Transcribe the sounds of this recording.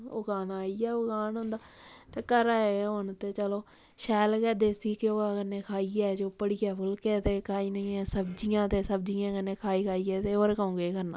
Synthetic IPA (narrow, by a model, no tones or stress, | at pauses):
o̰ːɡaːnaːiːɛːoɡaːnɦʊ̃nd̪aːt̪eːkəɾaɦʊnt̪eːt͡ʃəloː | ʃɛːlkɛːd̪eːsiːkɪoːaːkənːeːkʰaːiɛːd͡ʒoːpəɽiːɛːpʰʊlkeːt̪eːkʰaːiːnəãːsəbd͡ʒijãːt̪eːsəb̚d͡ʒiːãːkənːeːkʰaːiːkʰaːiːɛːt̪eːoːɾekaːõːɡeːkəɾnã̰ː